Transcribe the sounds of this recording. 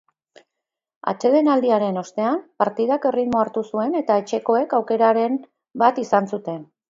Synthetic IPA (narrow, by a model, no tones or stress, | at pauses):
a̰t͡ʃe̞ðe̞nald̪iaɾe̞no̞st̪e̞ampaɾt̪ið̞ake̞rit̪mo̞aɾt̪usue̞ne̞t̪ae̞t͡ʃe̞ko̞e̞kawke̞ɾaɾe̞n | bat̪isansut̪e̞n